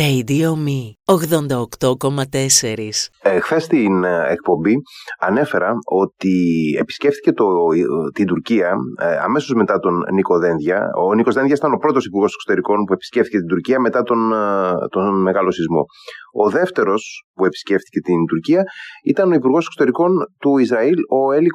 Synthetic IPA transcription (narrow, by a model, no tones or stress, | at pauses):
ejd̪iomioɣðo̞nd̪ɐokt̪o̞ko̞mɐt̪e̞se̞ɾisexθe̞st̪inek̚po̞mbiɐne̞fe̞ɾɐo̞t̪ie̞̰pi̥sce̞ft̪i̥ce̞t̪ot̪ind̪uɾciɐɐ̰me̞so̞zme̞t̪ɐt̪o̞nniko̞ðe̞nðʝɐ̰onikozðeðʝɐsit̪ɐno̞pɾo̞t̪o̞sipuɾɣo̞sekso̥t̪e̞ɾiko̞npue̞pi̥sceft̪ice̞t̪ind̪uɾciɐme̞t̪ɐt̪o̞nt̪onme̞ɣɐlo̞sizmo̰ | o̞ðe̞ft̪e̞ɾo̞spue̞pi̥sce̞ft̪i̥ce̞t̪ind̪uɾciɐit̪ɐno̞ipuɾɣo̞sekso̞t̪e̞ɾiko̞nt̪uizɾɐilo̞eli